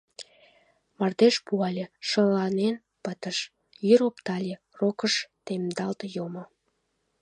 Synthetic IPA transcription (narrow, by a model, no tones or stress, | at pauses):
mɑrd̪eʃpuɑlʲeʃəlɑnen | pət̪əʃ | jyɾopt̪ɑlʲe | rokəʃt̪emd̪ɑlt̪jomo